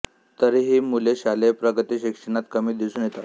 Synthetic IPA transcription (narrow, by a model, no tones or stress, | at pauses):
t̪əɾiɦiːmuleɕalepɾəɡət̪iːɕikʂəɳ̃at̪kəmiːd̪isuːnjet̪a